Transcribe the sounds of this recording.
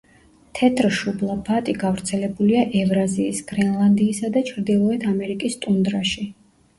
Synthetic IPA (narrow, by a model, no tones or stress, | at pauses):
t̪ʰɛt̪ʰɾʃublˠapʰat̪ʼiɡavɾt̪sʰɛlɛbuliaʔɛvɾaziːsɡ̥ɾɛnlˠand̪iːsad̪at͡ʃʰɾd̪ilˠɔɛt̪ʰamɛɾikʼist̪ʼund̪ɾaʃi